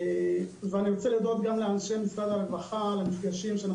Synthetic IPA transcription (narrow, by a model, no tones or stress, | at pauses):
veaniʁot͡selid̪ot̪̚ɡamlealʃemislad̪aʁvaχalemifɡaʃimʃeana